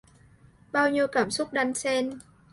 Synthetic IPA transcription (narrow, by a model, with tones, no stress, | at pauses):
ɓaː˧wɲi˧əwkaː˧˩msʊ˦˥k͡p̚ɗa˧jŋse˧n